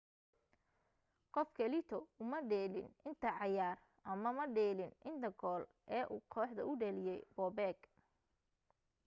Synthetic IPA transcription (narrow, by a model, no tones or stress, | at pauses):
qɔfkʰɐlɪt̪ʰɔʊmɐɖɛːlɪ̰nɪnt̪ʰɐʕɑjaːr | ʔɐmɐmɐɖɛːlɪnʔɪnd̪ɐɡɔːl | ʔɛːʔuːkʰɔːħd̪ɐʊɖɐlɪjɛjbɔːbɛːɡ